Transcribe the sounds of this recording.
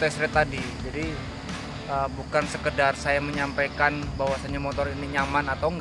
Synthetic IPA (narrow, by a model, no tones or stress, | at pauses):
t̪asɾat̪adid͡ʒadi | əbukansəkədarsajaməɲampajkanbawasaɲamot̪ɔriniɲamanat̪awŋɡ